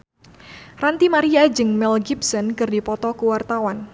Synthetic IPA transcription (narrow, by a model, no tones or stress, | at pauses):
rant̪imaɾiad͡ʒɨŋmɛlɡipsɔnkɨrdipɔt̪ɔkuwart̪awan